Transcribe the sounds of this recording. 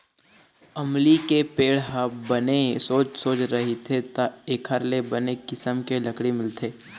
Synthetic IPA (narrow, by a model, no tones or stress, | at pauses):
ɐmlikepeːɽɦɐbɐnesoːt͡ʃsoːt͡ʃɾɐɦet̪ʰet̪aeːkʰəɾlebɐnekɪsəmkelɐkɽimɪlt̪ʰeː